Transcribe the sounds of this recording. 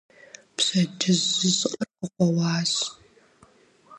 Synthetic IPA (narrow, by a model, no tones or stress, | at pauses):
psɐd͡ʒɪzɨzqʼɐrqəqʷɔwɑːz